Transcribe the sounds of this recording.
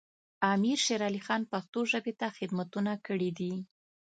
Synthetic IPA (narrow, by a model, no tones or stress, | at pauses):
ɑmiɾʃeɾɑlixɑnpaxt̪oʒəbet̪axɪd̪mat̪unakəɽid̪i